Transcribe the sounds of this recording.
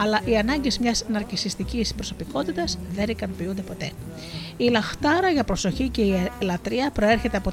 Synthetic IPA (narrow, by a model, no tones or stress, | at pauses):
ɐlɐʔiɐnɐɲɟe̞zmɲɐsnɐɾcisist̪icispɾo̞so̞piko̞t̪it̪ɐzðe̞nikɐnopiund̪e̞po̞t̪e̞ | ilɐxt̪ɐɾɐʝɐpɾo̞so̞çice̞ilɐt̪ɾiɐpɾo̞e̞ɾçe̞t̪e̞ɐpo̞